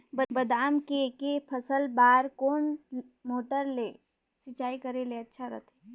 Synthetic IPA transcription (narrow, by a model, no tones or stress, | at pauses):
bɐbɐd̪aːmkekepʰəsəlbaːɾkoːn | moːʈəɾleː | sɪt͡ʃaːikəɾeleɐtːʃʰaɾɐ̰t̪ʰe